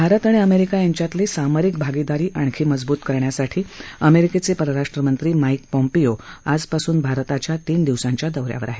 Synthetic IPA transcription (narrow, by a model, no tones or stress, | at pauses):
bʱaɾət̪aɽ̃iəmeɾikajaɲt͡ɕjat̪liːsaməɾik̚bʱaɡid̪aɾiːʔaɳ̃kʰiːməd͡zbuːt̪kəɾɳjasaʈʰiːəmeɾiket͡sepəɾəɾaʂʈɾəmənt̪ɾiːmaikpɔmpijoad͡zpasuːnbʱaɾt̪at͡ɕjat̪iːnd̪iʋsaɲt͡ɕjad̪əwɾja̰ʋə̰ɾaɦe